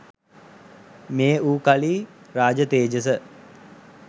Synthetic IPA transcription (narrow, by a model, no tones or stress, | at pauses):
meːuːkaliː | ɾaːd͡ʒət̪eːd͡ʒəs̬ə